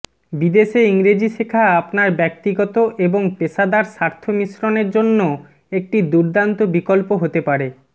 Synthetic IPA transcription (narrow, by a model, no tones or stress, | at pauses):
bid̪eʃeiŋɾed͡ʑiʃekʰaapnaɾbɛk̚t̪iɡɔt̪oʔeboŋpeʃad̪aɾʃaɾt̪ʰomiʃɾoneɾd͡ʑonːo | ek̚ʈid̪uɾd̪ant̪obikolpoɦot̪epaɾe